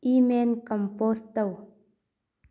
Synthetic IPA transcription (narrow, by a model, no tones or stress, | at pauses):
imenkəmpost̪aw